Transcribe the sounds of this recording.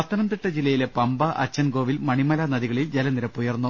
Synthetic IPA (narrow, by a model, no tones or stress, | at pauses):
ɐt̪ːɐnɐmt̪iʈːɐd͡ʑilːɐjile̞pɐmbɐʔɐ̰t͡ɕːɐnɡo̞ːʋilmɐɳimɐlanɐðiɣɐɭild͡ʑelɐniɾɐpːujɐrnːu